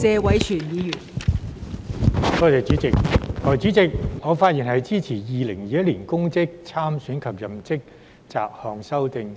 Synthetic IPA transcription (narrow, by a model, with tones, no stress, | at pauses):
t͡sɛː˨˧wɐ˨˥jt͡ʃʰyː˨˩njiː˨˧jyː˨˩n | kɔː˨˧˥t̪e˨˩t͡syː˨˥t͡sɪ˨k̚hɔː˨˩jyː˨˥t͡sɪ˨k̚ŋɔː˨˧faː˧˥t̚jiː˨˩nhɐ˨jt͡siː˥t͡sʰiː˨˩jiː˨lɪ˨˩ŋjiː˨jɐ˥t̚liː˨˩nkʊ˥ŋt͡sɪ˥k̚t͡sʰaː˥msyː˨˥nkʰɐ˨p̚jɐ˨mt͡sɪ˥k̚ | t͡sa̰ː˨˩p̚hɔː˨˧ŋsɐ˥wt̪ɪ˨ŋ